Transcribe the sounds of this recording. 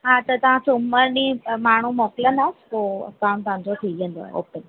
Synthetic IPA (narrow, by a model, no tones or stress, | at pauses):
ɦaːt̪ɐt̪ɐʋ̤ãsʊʊməɾnimaːɳ̤umɔːkɪlənaːspoːɐ̰kaːnt̪ɐɦãɲd͡ʑot̪ʰiə̃n̆d̪o̰o̰ːpən